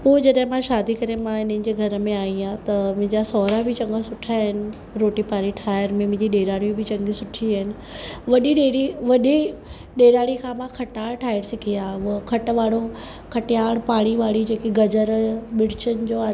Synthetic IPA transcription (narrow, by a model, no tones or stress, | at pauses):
poːd͡ʑɐɗɦɪ̃mãʃaːd̪ʱikɐɾemãɪn̤ənɪ̆d͡ʑeːɡʱɐɾəmẽaːĩãt̪ɐmʊ̃ɦɲd͡ʑasɔːɾabʱɪt͡ɕɐ̃ŋɡasʊʈʰaɦɪnɪ̆ | ɾoːʈipaːɾiʈʰaːjəɾmẽmʊ̃ɦɲd͡ʑiɗeːɾaːɽ̃ĩbʱɪt͡ɕɐ̃ŋɡisʊʈʰiaːɦɪnɪ̆ʋɐɗiɗeːɾiʋɐɗi | ɗeːɾaːɽ̃ikʰãmãkʰɐʈaːɽʈʰaːjəɾsɪkʰiaːʋʊkʰɐʈʋaːɽo | kʰɐʈɪjaːɽ̃paːɽ̃iʋaːɭid͡ʑeːkiɡɐd͡ʑəɾɓɪɽ̤ɪt͡ɕənɪ̆d͡ʑoːa